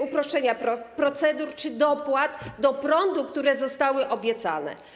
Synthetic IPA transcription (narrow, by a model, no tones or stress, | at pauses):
upɾɔʂt͡ʂɛɲaɾɔpɾɔt̪sɛd̪uɾt͡ʂɘd̪ɔpwad̪d̪ɔpɾɔnd̪ukt̪uɾɛzɔst̪awɘʔɔbʲjɛt̪sa̰nɛ̰